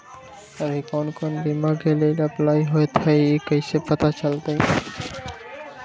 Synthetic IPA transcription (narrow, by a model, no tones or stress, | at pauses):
əbʱikoːnkoːnbimaːɡeːlelplaːiɦoet̪ʰaekəɪsepət̪at͡ʃəlt̪ai